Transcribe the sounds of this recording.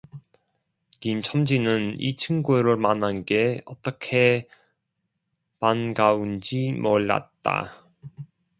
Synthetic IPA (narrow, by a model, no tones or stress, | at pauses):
kimt͡ɕʰʌmd͡ʑinɯnḭt͡ɕʰɯŋɡuɾɯɭmananɡe̞ʌt͈ʌkʰe̞ | manɡaund͡ʑimʌɭːa̰t̚t͈a̰